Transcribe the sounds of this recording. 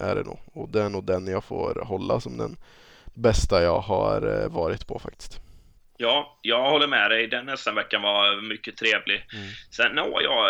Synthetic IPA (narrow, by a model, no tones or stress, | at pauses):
ʔæ̰ɖɛ̰nṵːɡɔd̪ɛæɳuːd̪ɛnjɑːɡfo̰ːɾɦɔlːasɔmd̪ɛ̰n | bɛst̪ajɑːɦa̰ɾvɑːɾɪt̪pʰɔfak̚t̪ɪ̥st̪ | jɑːjɑːɡhɔlːəɾmɛd̪ɛjd̪ɛnːɛst̪anvɛkːanvamʏkːət̪ʰɾeːvlɪsɛnːuːjɑ̰